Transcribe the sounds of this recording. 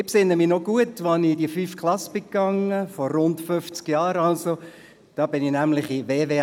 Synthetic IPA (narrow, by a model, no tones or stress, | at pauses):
ɪpsɪnːəminoɡuətʋanid̥iəfyːfkʰlɑsb̥ɪkːɑŋəfɔɾʊntføft͡skjɑːɾɑlso | d̥ɑːb̥ɪnɪnæmlɪχiʋeːʋeː